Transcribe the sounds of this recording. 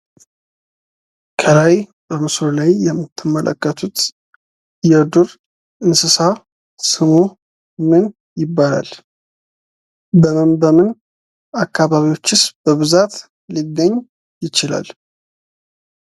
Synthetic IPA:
kʰəlaj | bəmɨsɾolajːɛmːɨt̪ʰːɨmːəlʔə̰kːət̪ʰut̪ | jɛd̪uɾ | ɨnsɨsa | sɨmu | mɨn | jɪbːala̰l | bəmɨnbəmɨn | akːaβaβiwo̞t͡ʃːɪsb̥əβɨzat̪ | liɡ̪əɲː | jɪt͡ʃɪla̰l

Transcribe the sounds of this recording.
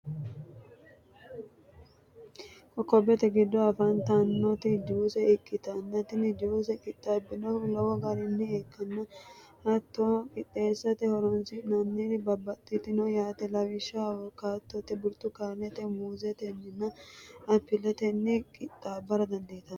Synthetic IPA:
hɔkːɔbːɛt̪ɛɡɪd̪ːɔɐfɐnt̪anːɔt̪ɪd͡ʒuːsɛɪkʼːɪt̪ɐnːɐt̪ɪnɪd͡ʒuːs̬ɛkʼɪt̪ʼːabːɪnɔlɔwɔɡɐɾɪnːɪeːkʰːɐnːɐ | hɐt̪ːokʼɪt̪ʼːeːsːɐt̪ɛhɔɾɔnsɪnɐnːɛnɪbɐbːɐt̪ʼːɪt̪ɪnɔjaːt̪ɛlɐwɪʃːɐwɔkːaːt̪ːɔt̪ɛbʊɾt̪ːʊkaɾnɛt̪ɛmuːzɛt̪ɛnːɪnːɐɐpːɪlɛt̪ɛnːɪkʼɪt̪ʼːaːbɐɾɐd̪ɐnd̪eːt̪ɐn

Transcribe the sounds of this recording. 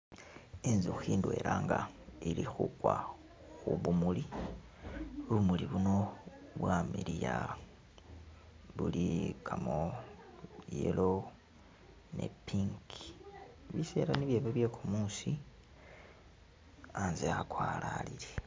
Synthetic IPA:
enzuxiːndwe̞lʔaːŋɡailixukwa | xuβumuli | βumuliβuno̞βwamiɾija | βulikʰamo | jḛlo | nḛpiŋkiβise̞̰ːɾaniβje̞ːβeβje̞kumuːsi | aːnzeakwaːlalile

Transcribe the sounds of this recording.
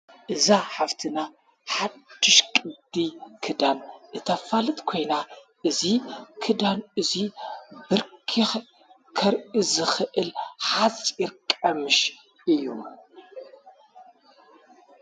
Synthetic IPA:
ʔɨzaħaft̪ʰɨna | ħad̪̥ːɪʃkʼɨd̪ikʰɨd̪anʔɨt̪ʰɐfalɨt̪ʼkʰo̞jna | ʔɨzikʰɨd̪anɨzibɨɾkʰix | kʰɐɾizɨxɨʔɨlħat͡sʼɪɾkʼɐmɨʃ | ʔɨjːum

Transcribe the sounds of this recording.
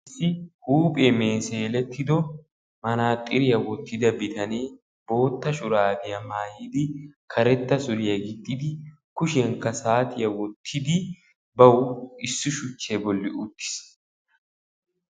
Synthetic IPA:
ɪsːɪhuːpʼemeːseːlɛt̪ːɪd̪ɔ | mɐnaːt̪ʼːɪɾɪjɐwɔt̪ːɪd̪ɐbɪt̪ɐneː | bo̞ːt̪ːɐʃʊɾaːd̪ɪjɐmaːjɪd̪ɪkʰɐɾɛt̪ːɐsʊɾɪjɐɡɪt̪ʼːɪd̪ɪ | kʊʃɛŋkɐsaːt̪ɪjɐwɔt̪ʰːɪd̪ɪ | bɐwɪsːʊʃʊt͡ʃːebɔlːɪʔʊt̪ːɪ̥s

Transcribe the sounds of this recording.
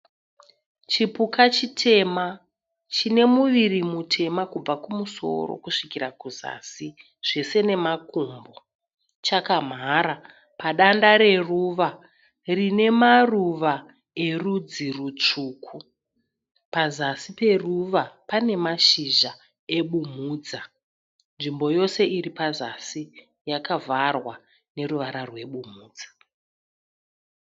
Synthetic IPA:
t͡ʃipukʰat͡ʃitʰe̞ma | t͡ʃine̞muʋirimutʰe̞makub͡vakumuso̞̰ro̰kuʂikiɾakuza̰si | ʐ̥e̞se̞ne̞makuːmbo | t͡ʃakam̤aːɾa | paɗandaɾe̞ruʋa | rine̞maruʋa | e̞rud͡zirut͡ʂuːkʰu | pazasipe̞ruʋapane̞maʃiʒa | e̞ɓum̤uːd͡za | nʐimbo̞jo̞se̞iripazasi | jakavarwa | ne̞ruʋaɾarwe̞ɓumuːd͡zḁ

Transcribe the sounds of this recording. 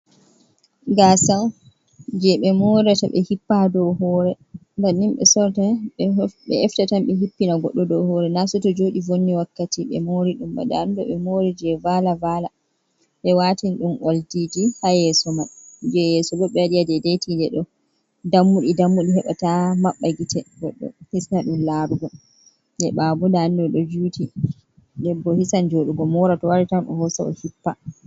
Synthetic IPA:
ɡasaw | d͡ʒɛɓɛmɔɾata̰ɓɛ̰hipːadɔɦɔɾɛ | ndanːimɓɛ̰sɔɾtaɓɓɛ̰ɛftatamɓɛɦipːinaɡɔ̰ɗːɔdɔhɔɾɛnasɔtɔd͡ʒoɗivonːiwakːatiɓɛ̰moɾiɗumba̰ɗa̰ndɔɓɛmoɾɛd͡ʒɛvalavala | ɓɛwatinɗumʔaldid͡ʒihajɛsɔmaɗd͡ʒɛjɛsɔlɔɓɛdijadɛdejtindɛɗɔ | damːuɗidamːuɗihɛɓa̰tamaɓːaɡitɛɡɔɗːɔ̰hisnaɗumlaːɾuɡɔ | ndɛɓabɔdaːndɔɗɔd͡ʒuːti | dɛbːɔhisand͡ʒoɗuɡɔmɔɾatɔwaɾitanɗɔ̰hɔsaɔ̰hipːa

